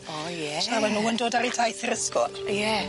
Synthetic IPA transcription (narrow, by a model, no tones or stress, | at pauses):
ɔjɛaːwɛnuːəndoːdaɾitʰajθəɾəskɔrjɛ